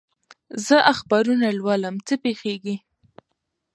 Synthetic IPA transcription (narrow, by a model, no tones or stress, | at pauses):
zəʔaxbɑɾunalwɑləmt͡səpexeɡi